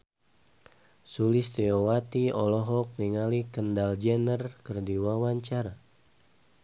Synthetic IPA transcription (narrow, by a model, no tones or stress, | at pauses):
sulist̪eowat̪iɔlɔɦɔk̚niŋalikəndald͡ʒɛnərkərdiwawaɲt͡ʃaɾa